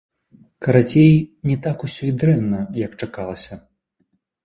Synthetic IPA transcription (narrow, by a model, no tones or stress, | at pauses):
kɐɾat͡sʲejnʲɛt̪akusʲɔjd̪ɾɛnːɐjɐkt͡ʂakalˠɐsʲɐ